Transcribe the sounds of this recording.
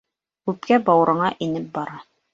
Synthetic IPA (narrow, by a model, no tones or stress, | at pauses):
kʉp̚kæbɑwɾɤ̆ɴɑʔinɘp̚bɑɾɑ